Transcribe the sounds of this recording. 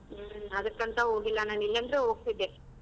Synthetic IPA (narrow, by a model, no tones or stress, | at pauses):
ɐd̪ɐkːɐnt̪ɐɦoːɡilːɐnaːnilːɐnd̪ɐɾeɦo̞ːɡ̚t̪id̪ːe